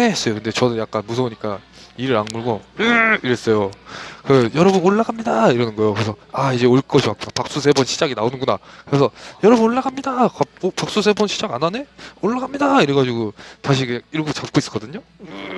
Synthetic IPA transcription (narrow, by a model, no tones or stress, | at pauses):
es͈ʌjokɯnde̞t͡ɕʌnɯnjak͈anmus̬ʰʌoɲik͈aiɾɯɾanmuɭɡoiɾes͈ʌjokɯjʌɾʌbunoɭːaɡamɲidaiɾʌnɯnɡʌejokɯɾe̞sʰʌaid͡ʑe̞oɭk͈ʌɕʰiwak͈uapak̚s͈usʰe̞bonɕʰid͡ʑaɡinaonɯnɡunakɯɾes̬ʰʌjʌɾʌbunoɭːaɡamɲidakaopak̚s͈us̬ʰe̞bonɕʰid͡ʑaɡanane̞oɭːaɡamɲidaiɾeɡad͡ʑiɡotaɕʰikeiɾɡot͡ɕap̚k͈ois͈ɯ̥k͈ʌdɯɲo